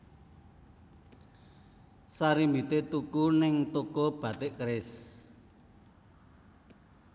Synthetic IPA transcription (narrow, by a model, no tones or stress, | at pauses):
saɾimbit̪et̪ukunɪŋt̪ukob̥ä̤t̪ɪʔkɾɪs